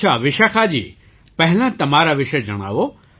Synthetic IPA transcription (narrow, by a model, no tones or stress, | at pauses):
aʋɪʃakʰaːd͡ʑḭː | pɐɦɪlãt̪ɐm̤aːɾaʋɪʃed͡ʑɐɽ̃a̰ːʋo